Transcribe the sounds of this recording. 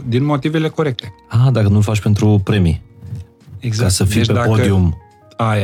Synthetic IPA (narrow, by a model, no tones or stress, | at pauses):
d̪inmo̞t̪ive̞le̞ko̞ɾe̞k̚t̪e̞ad̪akənulfat͡ʃpe̞nt̪ɾupɾe̞mi | eɡzakasəfijpeapod̪ium | aja